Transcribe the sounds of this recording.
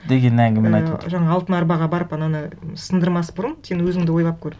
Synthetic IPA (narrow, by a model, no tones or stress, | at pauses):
d̪e̞ɡʲe̞nɪæŋɡʲɪmenɑj̰̪ʒɑɴɑːlˠt̪ənɑɾbɑʁɑbɑɾəpɑnɑnəsənd̪əɾmɑsbʊɾənsenwɵzɪŋd̪ɪwo̞jʁˠɑp̚kʲʰɵɾɪ